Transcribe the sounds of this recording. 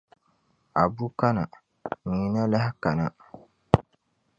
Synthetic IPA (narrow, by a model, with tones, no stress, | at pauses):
a˨bu˦ka˦na˨ | ɲ̩˨i˦na˦la˦hɪ˦ka˨na˨